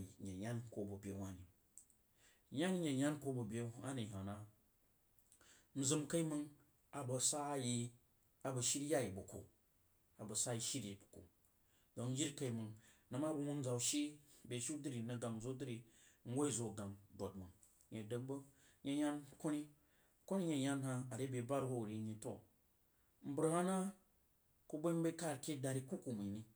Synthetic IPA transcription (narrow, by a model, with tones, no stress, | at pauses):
ɲe˨ɲa˦nko˦bu˨bʲe˨wa˦ni˨˦ | ɲa˦ŋ˦ɲe˨ɲa˦nko˦bu˨bʲe˨˦a˦ni˨a˨na˦ | n̩˨˦zɨ˦mka˦i˦mɨ˧ŋ | a˨bɐ˧sa˦ji˧ | a˨bɐ˨ʃi˦ɾja˦ji˨bu˨ko̰˨ | a˨bɐ˨sa˦ji˧ʃi˦ɾi˨bko̰˨ | do˨n̩˦d͡ʒi˦ɾka˦i˦mɨ˨ŋnɐ˨ma˦bu˧ŋu˦n̩˦d͡za˨u˨ʃi˦bʲe˨ʃi˦dɨ˦ɾi˨nɐ˧ɡa˨m˨zo˦dɨ˦ɾi˧˦ŋ̩˦ɡo˦i˦˨zo˨ɡa˨mdo˨t̚mɨ˨ | ɲe˨də˨kbɐ˦ | ɲe˧ɲa˦nko˦ni˦ | ko˦ni˦ɲe˧ɲa˦nha˧a˨ɾe˦bʲe˨ba˦ɾho˦˨ɾi˧˦ɲi˨˧to̰˦˨ | m̩˦bɨ˦ɾha˦na˦ | ku˦bo˦m˦bɐ˦ka˦˨ɾkʲe˦da˧ɾi˦˧ku˦ku˨mɨ˨ni˦